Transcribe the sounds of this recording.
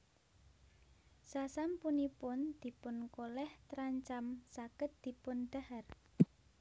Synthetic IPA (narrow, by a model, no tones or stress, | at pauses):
sasampunipʊnd̪̥i̤pʊnkolɛht̪ɾaɲt͡ʃamsakət̪̚d̪̥i̤pʊnɖ̪̥a̤har